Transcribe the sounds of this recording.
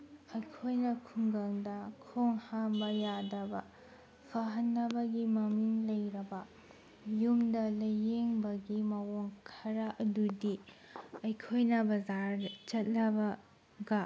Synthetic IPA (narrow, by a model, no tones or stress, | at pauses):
ɐjkʰojnɐkʰuŋɡɐŋdɐkʰoŋhambɐjadɐbɐ | pʰɐɦɐnːɐbɐɡimɐmiŋlɐjɾɐbɐ | jumdɐlɐjeŋbɐɡimɐwoŋkʰɐɾɐʔɐdudiɐjkʰojnɐbɐzaɾt͡ʃɐt̚lɐbɐ | ɡɐ